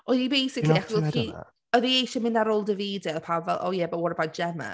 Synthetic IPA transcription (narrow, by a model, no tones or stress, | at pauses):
ʔɔðibejsɪkʰlˠiakɛki | ɔðiejʃɛmɪ̃ndaɾoːlˠdəviːdɛlpʰawbvɛlˠʔo̰ːjɛbɔwɔɾəbad͡ʒɛmə̰